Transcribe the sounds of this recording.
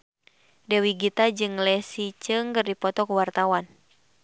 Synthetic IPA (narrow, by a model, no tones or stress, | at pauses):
dɛwiɡit̪ad͡ʒɨŋlɛsit͡ʃɨŋkɨrdipɔt̪ɔkuwart̪awan